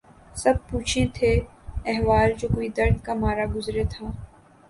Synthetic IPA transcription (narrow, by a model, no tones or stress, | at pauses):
sɐb̚puːt͡ʃʰẽt̪ʰeːɛɦʋaːld͡ʒoːkoːid̪ɐɾd̪kamaːɾaɡʊzɾet̪ʰaː